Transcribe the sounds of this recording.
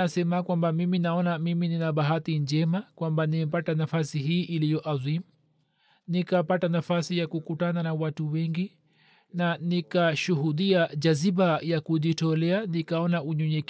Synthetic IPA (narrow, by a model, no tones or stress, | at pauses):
asɛmakwambamiminaɔnamimininaɓaɦatind͡ʒɛmakwambanimɛpatanafasiɦiːʔilijɔʔazimu | nikapatanafasijakukutananawatuwɛŋɡi | nanikaʃuɦuɗiad͡ʒaziɓajakuʄitɔlɛanikaɔnauɲɔɲɛk